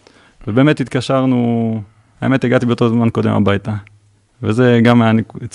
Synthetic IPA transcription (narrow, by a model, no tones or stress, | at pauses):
vebeːmethitkaʃaʁnu | aeme̞teɡatibeot̪ozmanko̞dḛma̰bajta | vezeɡaman